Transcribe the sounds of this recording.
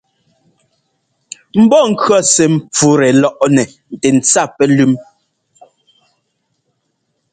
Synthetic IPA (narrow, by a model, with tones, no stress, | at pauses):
m̩˦bɔ˦˨ŋ̩˨kɰɔ˦˨sɛ˨m̩˨p͡fu˨˦ɾɛ˨lɔ˦ʔnɛ˨ | n̩˨tɛ˨n̩˨t͡sa˦˨pɛ˦lʉ˦m